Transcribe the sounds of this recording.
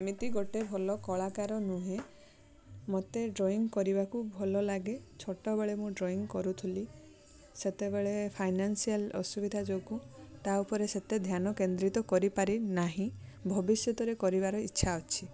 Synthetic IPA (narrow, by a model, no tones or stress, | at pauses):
mit̪iɡoʈebʱɔlɔkɔɭakaɾɔnũɦẽ | mɔt̪eɖɾoiŋɡkɔɾibakubʱɔlɔlaɡet͡ʃʰoʈɔbeɭemũɖɾoiŋkɔɾut̪ʰuli | set̪ebeɭepʰajnansialɔ̰subid̪ʱad͡ʒokut̪aupɔɾeset̪ed̪ʱjanɔkend̪ɾit̪ɔkɔɾipaɾinaɦĩbʱɔbisjɔt̪ɔɾekɔɾibaɾɔitːʃʰaɔt͡ʃʰi